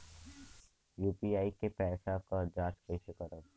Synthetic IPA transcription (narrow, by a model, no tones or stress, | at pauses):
juːpiaːikepɛːsakad͡ʒaːt͡ʃpeːʃekəɾə